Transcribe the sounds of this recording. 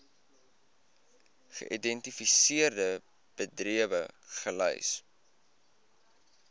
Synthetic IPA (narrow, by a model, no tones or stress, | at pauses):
χə̰ʔidɛntifisiərdə | b̥ədriəvəχəlœ̰js